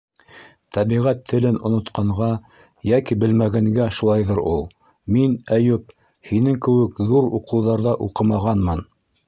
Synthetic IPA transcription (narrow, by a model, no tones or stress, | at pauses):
t̪ʰæβiʁæt̪ʰːɘ̆lɘnŏnŏt̪qʰɑɴʁɑ | jækibɘ̆lmæɡæŋɡæʃulˠɑjðɤɾulˠ | minæjɵp̚ | hinɘŋkɘ̆wɘkðuɾuqɤ̆wðɑɾðɑʔuqɤmɑʁɑnmɤn